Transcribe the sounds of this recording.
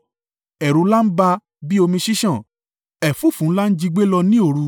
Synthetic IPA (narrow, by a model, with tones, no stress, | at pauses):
ɛ˨ɾũ˨˧˦la˦n̩˦ba˧ | bi˦o˧mĩ˧ʃi˦ʃã˦˨ | ɛ˨fu˦˨fũ˨˦n̩˦la˦n̩˦d͡ʒi˦˧ɡ͡be˦lɔ˧nĩ˦o˦˧˨ɾu˧